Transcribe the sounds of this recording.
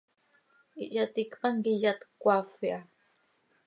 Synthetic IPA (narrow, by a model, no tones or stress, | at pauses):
iʔjat̪ikpaŋkijat̪kʷafia